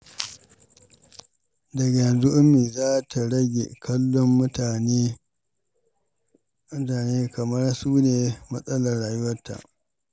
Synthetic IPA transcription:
dɐ˨ɡa˨jɐ˨nzʊ˦ʔʊ˦mːiː˨zaː˦tʰa˨ɽɐ˦ɡʲḛ˨kʰɐ˦lːɔ˦m˦ta˨n˦ | aː˨neː˦kʰɐ˨mɐ˦rsuː˦neː˨mɐ˦sʼɐ˦lɐ˨rɽːaː˨ju˦wɐ˦tʰːa̰˨ʔ

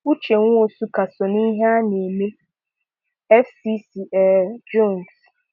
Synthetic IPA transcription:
u˦t͡ʃʰe˨ŋʊ̃˦o˨su˦ka˨sɔ˨nĩ˦ɦa˦ne˨me˦ | ɛ˦fi˦si˨ʔɛ˨d͡ʒɔ˦˨ns

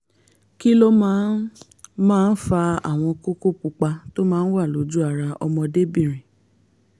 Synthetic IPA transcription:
ki˦lo˦mã˦ | mãː˦˧˦n̩˦fa˧a̰˦˨w̃ɔ̃˧ko˦ko˦ku˧k͡pa˧to˦mãː˦n̩˦wa˦˨lo˨˦d͡ʒu˦a˦˨ɾa˧ʔɔ˧mɔ̃˧de˦bĩ˦˨ɾ̃ĩ˨

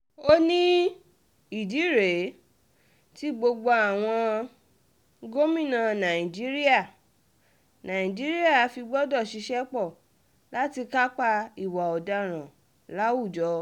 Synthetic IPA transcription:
o˦nĩ˦ | i˨di˨˦ɾe˨˦ | ti˦ɡ͡bo˧ɡ͡bo˧a˨w̃ɔ̃˧ | ɡo˦mĩ˦˨nã˨nã˨ĩ˨d͡ʒi˦ɾi˦a˦˨ | nã˨ĩ˨d͡ʒi˦ɾi˦a˦˨a˨˧fi˧ɡ͡bɔ˦dɔ˦˨ʃi˧ʃɛ˦k͡pɔ˦˨ | la˦ti˧ka˦k͡pa˧i˨wa˨ɔ˨da˧ɾ̃ã˨ | la˦u˦˨d͡ʒɔ˨˦

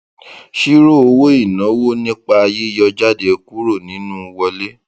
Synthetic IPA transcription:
ʃi˦ɾo˦˨o˧wo˦i˦˨nã˨˦wo˦˨nĩ˦k͡pa˧a˧je˦i˦jɔ˧d͡ʒa˦de˧ku˦ɾo˦˨nĩ˨˦nũ˦˧wɔ˧le˦

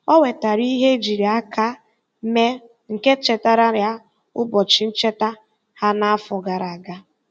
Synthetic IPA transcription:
ɔ˦we˨ta˨ɾi˦ɦe˦d͡ʒi˨ɾi˨a˦ka˦ | me˦ | ŋ̩˨ke˦t͡ʃe˨ta˦ɾa˦ɾja˦ | ʊ˦bɔ˨t͡ʃi˨n̩˦t͡ʃe˦ta˦ | ha˦na˦a˦fɔ˨ɡa˨ɾa˨ɡa˦

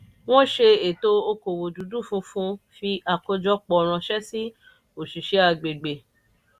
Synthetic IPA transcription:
w̃ɔ̃˦ʃe˧e˨to˦o˧ko˨wo˨du˨˦du˦˨fũ˦fũ˦fi˧a˧ko˧d͡ʒɔ˦k͡pɔ˧˨˧ɾ̃ã˧ʃɛ˦si˦ | o˨ʃi˨ʃe˨˦a˧˨ɡ͡be˨ɡ͡be˨

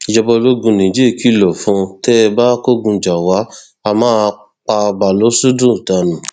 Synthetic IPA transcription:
i˨d͡ʒɔ˧bɔ˧lo˦ɡũ˧nĩ˨d͡ʒe˦˨kʰi˦lɔ˨fũ˨˦tɛ˦˧ba˦ko˦ɡũ˧d͡ʒa˨wa˨˦ | a˧mãː˦ | k͡pa˧ba˨lo˨˦su˦dũ˦˨ta˧nũ˨

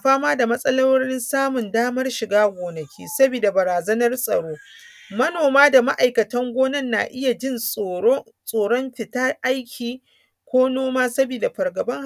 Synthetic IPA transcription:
a˨ɸaː˦maː˦da˨mɐ˦sʼɐ˦lɐ˦wɽɪ˦nsaː˦mʊ˨ndaː˦mɐ˦rʃɪ˨ɡaː˦ɡʷoː˨nɐ˨kʲʰḭː˦sɐ˦biː˨da˨bɐ˨ɾaː˨zɐ˦nɐ˦rsʼɐ̰˨ɽoː˦ | mɐ˦noː˨maː˦da˨ma˦ʔa˨jkɐ˨tɐ˦ŋɡʷoː˦nɐ˦˨nːa̰ː˨ʔɪ˦ja˨d͡ʒɪ˦n˨˦ | sʼoː˨ɽɔ˦mɸɪ˨ta˦ʔa˦jkʲʰiː˨ | kʷoː˦noː˦maː˦sɐ˦biː˨da˨ɸɐ˨rɡɐ˨bɐ˦ŋh

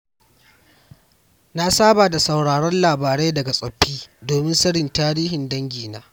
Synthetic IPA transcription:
na˦saː˦baː˨da˨sa˨wɽaː˨ɽɔ˦nlaː˨baː˨ɾeː˦dɐ˨ɡa˨sʼɐ˨ɸːiː˦doː˨mɪ˦nsɐ˦ɽɪ˨ntaː˦ɽiː˦ɦɪ˨ndɐ˦ŋɡʲiː˨naː˦

